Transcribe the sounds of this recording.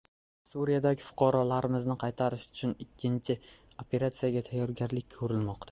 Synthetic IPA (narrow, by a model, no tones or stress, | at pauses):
suɾijad̪aɡʲɪfʊ̥qʰɑɾɒlaɾɪmɪznɪqʰɑjt̪ʰaɾɪʃʊ̥t͡ʃʰʊnɪkʲʰːɪnt͡ʃʰɪ | opʰe̞ɾat̪sijaɡʲat̪ʰajːɒɾɡʲaɾlɪk̚ʲkʰɵɾɪlmɒqt̪ʰa